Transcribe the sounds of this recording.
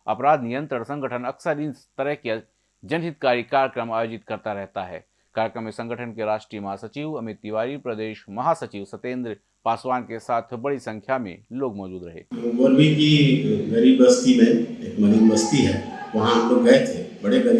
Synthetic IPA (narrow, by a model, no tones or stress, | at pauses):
ɐ̰pɾaːd̪nijə̃nt̪ɾəɽ̃sɐ̃ŋɡʱəʈʰənɐksəɾɪnst̪ɐɾəɦkja | d͡ʒɐnɦɪt̪kaːɾikaːɾjəkɾəmaːjoːd͡ʒɪt̪kɐɾt̪aɾɛɦt̪aɦɛ̰ː | kaːɾjəkɾəmːesɐ̃ŋɡʱəʈʰənkeɾaːʃʈɾijəmɐɦasɐt͡ʃiːʋɐmɪt̪ːiʋaːɾipɾɐd̪eːʃmɐɦasɐt͡ʃiːʋsɐt̪ẽːnd̪ɾ | paːswaːnkesaːt̪ʰbɐɽisɐ̃ŋkʰjamḛ̃loːɡmɔːd͡ʒuːd̪ɾɐɦḛːʋɐɾbikiɡɐɾiːbɐst̪imẽeːkmɐɾiːbmɐst̪iɦɛːʋɐɦãt̪oɡɛːɦt̪ʰebɐɽeɡɐɾi